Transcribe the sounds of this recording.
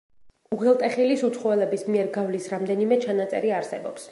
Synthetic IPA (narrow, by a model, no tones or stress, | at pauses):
uʁɛlˠt̪ʼɛχilisut̪sʰχɔvɛlɛbismiɛɾɡavlisɾamd̪ɛnimɛt͡ʃʰanat̪sʼɛ̰ɾiaɾsɛ̰bɔps